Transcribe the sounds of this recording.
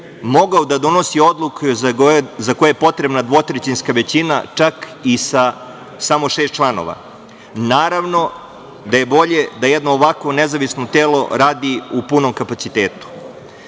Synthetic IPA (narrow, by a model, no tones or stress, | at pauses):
mo̞ɡaod̪ad̪o̞no̞sio̞d̪lˠuk | zakojepo̞t̪ɾebnad̪ʋo̞t̪ɾet͡ɕinskaʋe̞t͡ɕina̰t͡ʂak | isa | samo̞ʃeːst̪̚t͡ʃlˠano̰ʋa̰ | naːɾaʋno̞ | d̪aje̞bo̞ʎe̞d̪ajed̪no̞ːʋakʋonezaʋisnot̪eːlo̞ɾaːd̪iupunomkapat̪sit̪eːt̪u̥